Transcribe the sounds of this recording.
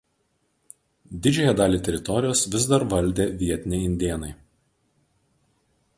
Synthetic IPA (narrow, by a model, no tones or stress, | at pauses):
d̪ʲɪd͡ʒʲɛjɛd̪ɑːlʲiːt̪ʲɛɾʲɪt̪ɔɾʲɪjoːsʋʲɪzd̪ɐɾʋɐlʲd̪ʲeːʋʲiɛt̪ʲɪnʲɛɪɪnʲd̪ʲeːnɐɪ